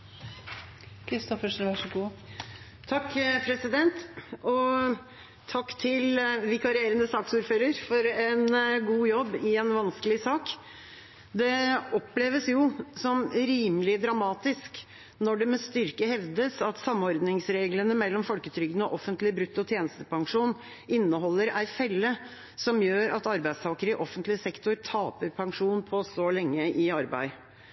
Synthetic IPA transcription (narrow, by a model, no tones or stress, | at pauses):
kʰɾɪst̪ɔfəʂʂɡuː | t̪ʰɑkːpʰɾɛsɪd̪ɛnt̪ʔɔ | t̪ʰɑkːt̪ʰɪlʋɪkʰɑɾɪeːɾənəsɑːksuːɾføːɾəɾfɔɾɛnɡuːjɔbːɪɛnʋɑnskəlɪsɑːk | d̪ɛɔpleːʋəsjʊsɔmɾiːməlɪd̪ɾɑmɑːt̪ɪsk | nɔɖɛmɛst̪ʏɾkəhɛʋd̪əsɑt̪sɑmːɔɾd̪nɪŋsɾeːɡlənəmɛlːɔmfɔlkət̪ʰɾʏɡnɔʔɔfənt̪lɪbɾʉt̪ːɔt̪ʰjeːnəst̪əpɑŋʂuːn | ɪnːəhɔlːəɾæɪfɛlːə | sɔmjøːɾɑt̪ɑɾbæɪst̪ʰɑːkəɾəɪʔɔfənt̪lɪsɛkt̪ʊɾt̪ʰɑːpəɾpʰɑŋʂuːnpʰɔsɔlɛŋːəʔɪɑɾbæ̰ɪ